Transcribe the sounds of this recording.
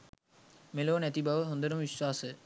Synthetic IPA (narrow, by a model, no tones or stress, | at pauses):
meloːnɛt̪ibʱaʋəɦõnd̪ənumʋiʃwaːsə